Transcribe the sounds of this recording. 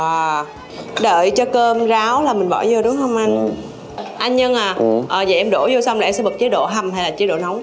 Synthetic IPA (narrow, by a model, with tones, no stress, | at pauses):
aː˨˩ | ɗəː˧˨jt͡ɕɔ˧kəː˧mzaː˨˦wlaː˨˩mï˨˩ŋ̟ɓɔ̰˧˩zo˨˩ɗʊ˨˦ŋ͡mɦə˧wŋ͡mʔa˧jŋ̟ | ʔa˧jŋ̟ɲə˧ŋʔaː˨˩ʔəː˨˩zə̰˨˩jʔɛ˧mɗo˧˩zo˧sa˧wŋ͡mlaː˨˩ʔɛ˧sɛ̰˧˥ɓə˨˩k̚t͡ɕəː˨˦ɗo̰˧˨ɦa˨˧˩mha˧jlaː˨˩t͡ɕeː˨˦ɗo̰˧˨na˨˦wŋ͡m